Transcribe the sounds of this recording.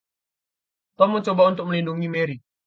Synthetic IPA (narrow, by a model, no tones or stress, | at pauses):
t̪ɔmːət͡ʃobaunt̪ʊk̚məlinduŋimeɾik̚